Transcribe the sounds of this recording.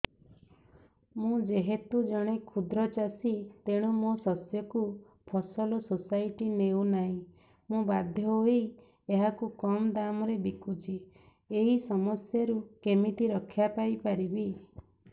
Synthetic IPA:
mũd͡ʒeɦet̪ud͡ʒɔɽ̃ekʰud̪ɾɔt͡ʃasit̪eɽ̃umosɔsjɔku | pʰɔsɔlɔsosajʈinewnaɦĩ | mũbad̪ʱjɔɦoej | eɦakukɔmɔd̪amɔɾebikut͡ʃi | eɦisɔmɔsjɔɾukemit̪iɾɔkʰjapajpaɾibi

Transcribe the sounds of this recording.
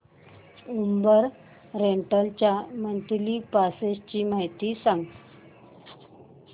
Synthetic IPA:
umbəɾ | ɾeɳʈəlt͡ɕjamənt̪lipasest͡ɕiːmaɦjt̪iːsãŋɡ

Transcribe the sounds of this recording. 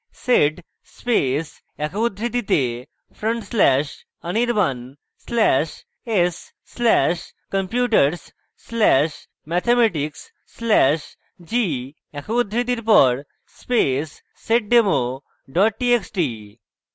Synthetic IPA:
seɖ | spes | ɛkʰud̪ʱːɾid̪it̪e | fʰɾoɳʈslɛʃ | əniɾban | slɛʃ | esː | lɛʃ | kəmpjuʈəɾs | sːlɛʃ | mɛt̪ʰemɛʈiksː | lɛʃ | d͡ʑi | ɛkʰoud̪ʱːɾid̪̬iɾp̬ɔɾ | spesː | eʈ̚ɖemo | ɖɔʈ̚ʈieksʈi

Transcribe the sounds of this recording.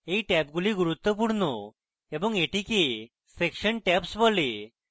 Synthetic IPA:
eʈɛp̚ɡuliɡuɾut̪ːəp̬uɽno | ɛbəŋɡeʈike | sekɕəɳʈɛpsbɔle

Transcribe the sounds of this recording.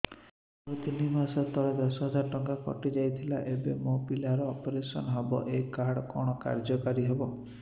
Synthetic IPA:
ɾut̪inimasɔt̪ɔɭed̪ɔsɔɦɔd͡ʒaɾɔʈɔŋɡakɔ̰ʈid͡ʒajt̪ʰilaʔebemopilaɾɔːpɔɾesɔnɔɦɔbɔ̰ʔekaɾɽɔkɔɽ̃ɔka̰ɾd͡ʒɔkaɾiɦebɔ

